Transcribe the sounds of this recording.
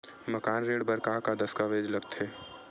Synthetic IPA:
məkaːnɾeːɽbəɾkaɦkad̪ɐskaʋeːd͡ʒlɐɡt̪ʰeː

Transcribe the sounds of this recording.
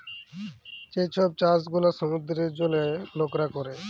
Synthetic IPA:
t͡ɕet͡ɕʰɔb̚t͡ɕasɡulaʃɔmud̪ɾeɾd͡ʑolelokɾakɔɾe

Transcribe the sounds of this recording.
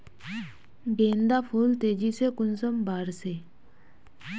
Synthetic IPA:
bend̪afʰult̪ed͡ʑiʔsʰekunsɔmbaɾse

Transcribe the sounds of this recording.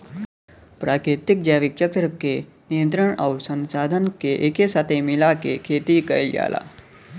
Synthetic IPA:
pɾakit̪ik̚d͡ʑaʋik̚t͡ʃəkt̪ɾəke | nijənt̪ɾəɳawsə̃nsad̪ʱənkeʔekesat̪ʰemilakekʰet̪ikəjlja̰la̰

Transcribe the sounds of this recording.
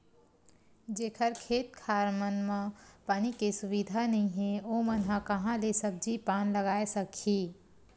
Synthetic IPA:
d͡ʒeːkʰəɾkʰeːt̪kʰaːɾmənmãpaːnikesʊbid̪ʱanɐɦĩɦẽomənɦəkɐɦãlesəb̚d͡ʒipaːnləɡaːesəkʰiː

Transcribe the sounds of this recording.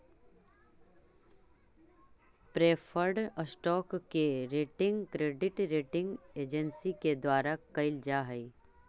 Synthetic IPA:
pɾeːfʰəɾɖəsʈɔːkːeɾeːʈɪ̃ŋɡkɾeːɖɪʈɾeːʈɪ̃ŋɡeːd͡ʒənsiked̪waːɾakɐɪld͡ʒaːɦəi

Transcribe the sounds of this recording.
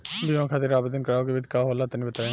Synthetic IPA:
biʋãːkʰaːt̪ɪɾaːbəd̪ənkəɾaːokeːʋɪt̪kaːɦoːlaːt̪ːnĩːbət̪aːẽ

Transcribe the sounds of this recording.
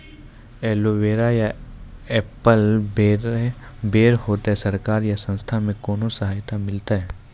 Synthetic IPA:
ɛːloʋeːɾajaɛːpəl | beːɾhoːt̪aɦɛsɐɾkaːɾjasə̃nst̪ʰamẽkoːnosɐɦaːjt̪amɪlt̪aɦɛː

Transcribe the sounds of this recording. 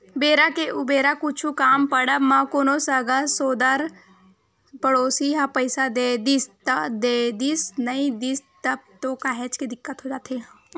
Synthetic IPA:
beːɾakeʔʊbeːɾakʊt͡ʃʰukaːmpɐɽəmãkoːnosəɡasoːd̪aɾ | pɐɽoːsiɦãpəɪsad̪ed̪ist̪d̪ed̪isnɐĩd̪ist̪ɐb̚t̪okaːɦet͡ʃked̪ɪkːət̪ɦod͡ʒaːt̪eɦ

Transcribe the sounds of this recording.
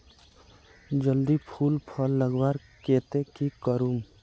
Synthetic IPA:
d͡ʒəld̪ipʰuːlpʰəlːəɡwaːɾ | keːt̪ekikəɾuːm

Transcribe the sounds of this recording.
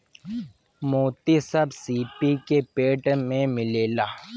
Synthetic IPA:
moːt̪isɐbsiːpikepeːʈmẽmɪleːlaː

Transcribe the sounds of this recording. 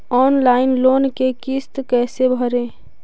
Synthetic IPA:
ɔːnlaːɪnloːnkekist̪kɛːsebʱəɾẽː

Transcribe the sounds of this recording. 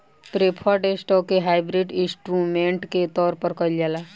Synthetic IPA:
pɾepʰaʈeːsʈɔːkːeɦaːɪbɾɪɖɪ̃sʈɾumẽːɳʈket̪ɔːɾpəɾkəljaːlaː

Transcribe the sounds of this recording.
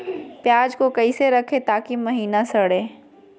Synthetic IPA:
pjaːd͡ʒkokɐiseɾɐkʰet̪aːkimɐɦiːnasɐɽeː

